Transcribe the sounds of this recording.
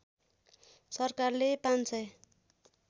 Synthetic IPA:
sʌrkarlepant͡sʌj

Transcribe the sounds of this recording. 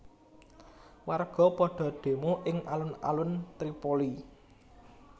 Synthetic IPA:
warɡ̥ɔ̤pɔɖ̥ɔ̤ɖ̥e̤moʔɪŋa̰lʊna̰lʊnt̪ɾipoli

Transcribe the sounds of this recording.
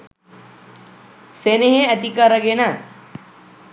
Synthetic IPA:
seneɦeɐt̪ikaɾɐɡena

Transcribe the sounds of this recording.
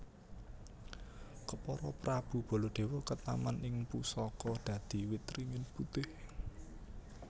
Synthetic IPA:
kəpɔɾɔpɾab̥ṳb̥ɔ̤lɔɖ̪̥e̤wɔkət̪amanɪŋpusɔkɔd̪̥ä̤d̪̥i̤wit̪ɾiŋɪnput̪ɪh

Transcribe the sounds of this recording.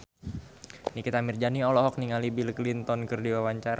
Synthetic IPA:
nikit̪amird͡ʒaniɔlɔɦɔk̚niŋalibiləklint̪ɔnkɨrdiwawaɲt͡ʃaɾa

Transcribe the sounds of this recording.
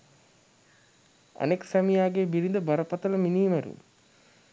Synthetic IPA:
a̰neksæmijaːɡeːbiɾind̪əbaɾəpat̪ələminiːmæɾṵ

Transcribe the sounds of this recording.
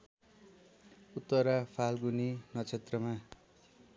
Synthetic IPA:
ut̪ːʌɾapʰalɡuninʌt͡sʰet̪rʌma

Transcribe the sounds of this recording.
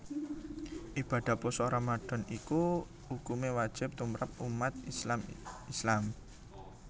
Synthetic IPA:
ʔib̥a̤d̪̥a̤pɔsoɾamaɖ̥ɔ̤niku | ukumewad̥ʒ̥ɪ̤p̚t̪umɾap̚umat̪̚islamislam

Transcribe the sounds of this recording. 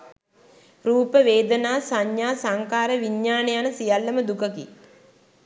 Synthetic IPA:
ɾuːpəʋeːd̪ənaːsaɲjaːsaŋkaːɾəʋiɲːaːnejanəsijalːəməd̪ukəkḭ

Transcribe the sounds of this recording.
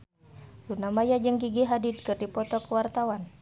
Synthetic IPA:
lunamajad͡ʒɨŋɡiɡiɦadid̪̚kɨrdipɔt̪ɔkəwart̪awan

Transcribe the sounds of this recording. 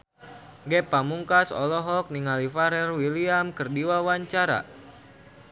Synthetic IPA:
ɡɛpamuŋkasɔ̰lɔɦɔk̚niŋalifaɾɛrwiliamkərdiwawaɲt͡ʃaɾa̰

